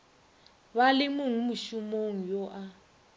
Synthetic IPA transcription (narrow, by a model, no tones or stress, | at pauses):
βalɪmuŋ̩muʃumoŋ̩jɔʔa